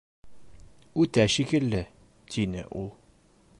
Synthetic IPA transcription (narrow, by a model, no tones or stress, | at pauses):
ʉt̪æʃikɘ̆lːɘ | t̪ʰinɘ̰ʔulˠ